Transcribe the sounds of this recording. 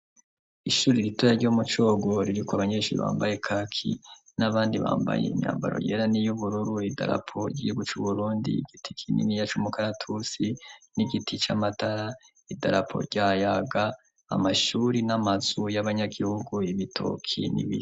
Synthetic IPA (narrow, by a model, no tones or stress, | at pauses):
iʃuːɾiɾitojaɾɟoːmut͡ʃo̞ːɡo̞ɾiɾikwaβaɲeːʃuɾḭβa̰ːmbaje̞kʰakʰḭ | naβaːndiβa̰ːmba̰jḛḭmɲa̰ːmba̰ɾo̞̰jeɾanijuβuɾuɾuida̰ɾa̰pʰo̞ɟihuɡut͡ʃuβuɾuːndḭɡ̥iti̥kʰinḭmijat͡ʃumukʰaɾatʰusiniɡitʰit͡ʃamataɾa | idaɾapʰo̞̰ɾɟaːjaɡa | a̰maʃuːɾinamazujaβaɲaɡihuɡuiβitʰo̰kʰḭnḭβi